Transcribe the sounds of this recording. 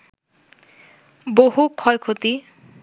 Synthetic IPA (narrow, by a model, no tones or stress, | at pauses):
boɦukʰɔjkʰot̪i